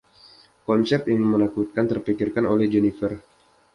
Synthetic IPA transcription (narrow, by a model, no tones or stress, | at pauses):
kɔnsɛp̚jaŋmənakut̪̚kant̪ərpikirkanolɛhd͡ʒɛnifər